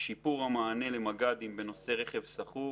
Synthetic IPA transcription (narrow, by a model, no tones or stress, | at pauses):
ʃipuʁhamaːnelemaɡad̪imbe̞no̞se̞ʁe̞χe̞vsaχu